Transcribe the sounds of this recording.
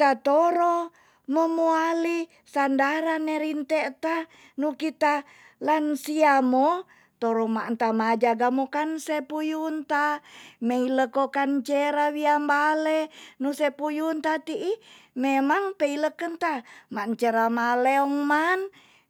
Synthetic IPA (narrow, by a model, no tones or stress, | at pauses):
t̪at̪oɾo | məmuali | sandaɾanːeɾint̪eʔt̪a | nukit̪a | lansiamo | t̪oɾomaʔnt̪amad͡ʒaɡamokansepujunt̪ameiləkokant͡ʃeɾawiambalenusepujunt̪at̪iʔimemaŋpeiləkənt̪amant͡ʃeɾamaleɔŋman